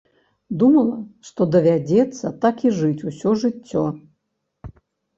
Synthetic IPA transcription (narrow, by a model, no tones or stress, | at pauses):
d̪umɐlˠɐʂt̪ɔd̪ɐvʲad͡zʲɛt̪sːɐt̪akiʐɨt͡sʲusʲɔʐɨt͡sʲːɔ